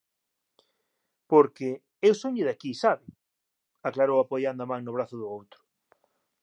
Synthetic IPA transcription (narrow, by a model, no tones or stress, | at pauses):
poɾkɪ | ewsoɲɪðakisaβɪ | aklaɾowapojand̪amãŋnʊβ̞ɾaθʊðʊowt̪ɾʊ̥